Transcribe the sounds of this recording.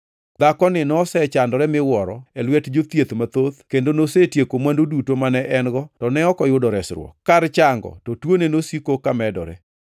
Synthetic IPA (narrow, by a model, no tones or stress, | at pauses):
d̪akɔnɪnɔsɛt͡ʃandɔɾɛmɪwɔɾɔ̰ɛlwɛtd͡ʒot̪jet̪mat̪ot̪kendonosetjekomwandodutomanɛʔɛnɡɔtɔnɛɔkɔjʊdɔɾɛsɾwɔ̰kːaɾt͡ʃaŋɡɔ̰tɔtwonenosikokamɛdɔ̰ɾɛ̰